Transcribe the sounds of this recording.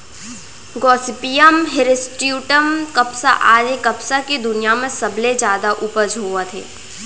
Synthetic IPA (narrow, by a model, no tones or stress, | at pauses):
ɡɔːsɪpijəmɦɪɾɪsʈijuːʈəmkɐpsa̰ʔaːɾekɐpsakid̪ʊnijamẽsɐbled͡ʒjaːd̪aʔʊpəd͡ʒʱoːat̪ʰḛː